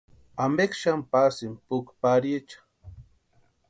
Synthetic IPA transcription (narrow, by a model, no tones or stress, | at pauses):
amekʃampasɪmpʊkpaɾit͡ʃḁ